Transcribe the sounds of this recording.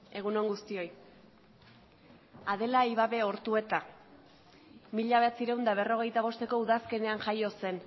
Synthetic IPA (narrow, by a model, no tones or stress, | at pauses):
e̞ɣ̞uno̞ŋɡust̪io̞j | að̞e̞laiβaβe̞o̞ɾt̪ue̞t̪a | miʎaβe̞at͡siɾe̞wnd̪aβ̞e̞ro̞ɣ̞e̞jt̪aβ̞o̞st̪e̞ko̞uðaske̞ne̞anʝajo̞se̞n